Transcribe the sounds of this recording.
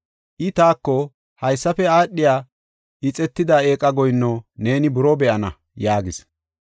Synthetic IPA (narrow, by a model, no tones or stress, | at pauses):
ʔɪt̪aːkːɔ | hɐjsːɐfɛaːɗɪjaː | ʔɪt͡sʼɛt̪ːɪd̪ae̞ːkʼɐɡɔjnːone̞ːnɪbʊɾɔbɛʔɐnɐ̰ | jaːɡɪs